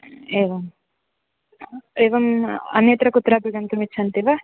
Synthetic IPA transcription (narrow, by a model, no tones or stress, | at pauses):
eːʋɐm | eːʋɐmɐ̰net̪ɾɐkut̪ːɾaːbiɡɐnt̪umit͡ʃːɐnt̪iʋa